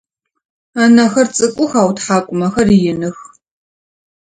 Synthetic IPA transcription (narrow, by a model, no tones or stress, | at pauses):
aːnɐxɐrt͡sʼɨkʷʼʊxaːwtħaːkʷʼʊmɐxɐrjɪnɨx